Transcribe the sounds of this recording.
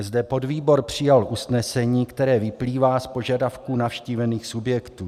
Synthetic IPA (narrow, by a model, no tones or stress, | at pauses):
zdɛpo̞dviːbo̞ɾpr̝̥ɪjalʔusnɛsɛɲiːkt̪ɛɾɛːvɪpliːvaːspo̞ʒadafkuːnafʃciːvɛniːxsubjɛkt̪uː